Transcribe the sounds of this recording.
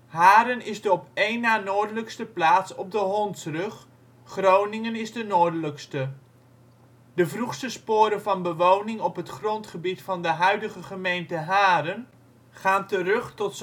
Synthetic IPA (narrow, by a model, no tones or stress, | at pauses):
ɦaːɾənɪzdəɔpejnːaːnoːɹdələkstəplaːtsɔb̚dəɦɔntsrɵχ | χrownɪŋənɪzdənoːɹdələkstə | dəvruχstəspʊːɾəvɑnbəʋownɪŋɔpɦətχrɔntχəbitfɑndəɦœɥdəχəχəmejntəɦaːɾən | χaːntərɵχtɔts